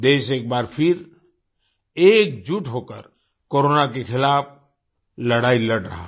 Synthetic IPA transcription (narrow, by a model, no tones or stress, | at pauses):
d̪eːʃeːk̚baːɾpʰɪɾ | eːk̚d͡ʒuʈɦoːkə̰ɾ | koːɾoːnak̬exɪlaːp̚ʰ | lɐɽaːilɐɽɾɐ̰ɦa